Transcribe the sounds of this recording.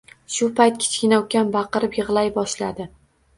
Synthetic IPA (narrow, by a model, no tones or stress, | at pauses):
ʃʊpʰajt̪̚kʲʰɪ̥t͡ʃkʲɪnɒwkʲanbɑqɨɾɪpjɨʁlˠajbɒʃlad̪ɪ